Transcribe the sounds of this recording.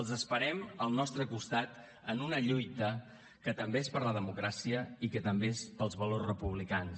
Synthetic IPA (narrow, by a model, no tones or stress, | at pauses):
əlˠzəspəɾɛməlˠnɔst̪ɾəkust̪at̪ | ənunəʎujt̪ə | kət̪əmbeespəɾləðəmukɾasiəikət̪əmbeespəlˠzβəlorsrəpuβ̞likans